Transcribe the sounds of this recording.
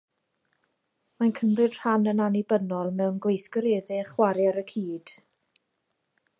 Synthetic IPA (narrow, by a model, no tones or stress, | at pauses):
mankʰəmrɨd̥r̥anənanibənɔlˠmɛwnɡwejθɡ̥ɔɾeːðɛχwaɾjaɾəkʰiːd̥